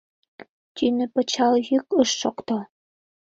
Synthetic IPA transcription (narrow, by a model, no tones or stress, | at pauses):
t̪ʲynɘ̆pɤ̆t͡ɕɑljykəʃːokt̪o